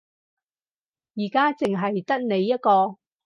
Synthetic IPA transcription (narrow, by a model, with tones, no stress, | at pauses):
jiː˨˩kaː˥t͡sɪ˨ŋɦɐ˨jt̪ɐ˥t̚ne˨˧jːɐ˥t̚kɔː˧